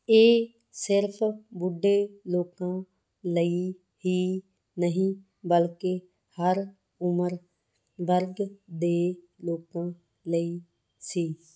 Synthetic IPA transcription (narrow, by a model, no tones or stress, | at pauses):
eː | sɪɾpʰbʊɖːeːloːkãː | ləi | ɦiː | nəɦĩː | bəlke | həɾ | ʊməɾ | ʋəɾɡd̪eː | loːkãː | ləiː | siː